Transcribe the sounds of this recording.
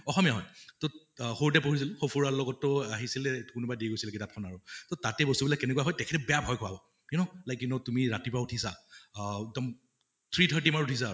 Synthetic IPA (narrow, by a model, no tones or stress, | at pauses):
ɔxɔmiaɦɔ̰jto | xout̬ɛpoɦis̬ilxopʰuɹalɔɡɔtːʊaɦisilɛkʊnubadiɡojsilaɡitap̚kʰɔnaɹutotatɛbɔstubilakːɛnɛkuaɦɔjtɛkʰɛtɛbɛjabʱɔjkʰʊabɔ | kɛnɔlajkjunotumiɹatipautʰisa̰ | ɛk̚dɔm | tʰɹitɦɔjt̬imaɹutʰis̬a